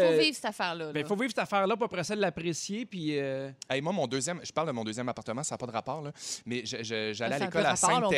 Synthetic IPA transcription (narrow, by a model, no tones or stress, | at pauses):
vivsɛt̪afɛʁlʌbɛ̃ifovivsɛt̪afɛːʁlʌp̬uapʁɛsɔd̪lapʁesjepɥiøɛjmwamɔ̃d̪øːzjɛmʒə̥paʁld̪əmɔ̃d̪øːzjɛmapaʁt̪əmãsaːpɔd̪əʁapɑːʁlʌmɛʒəʒəʒalɛalekɔlasɛ̃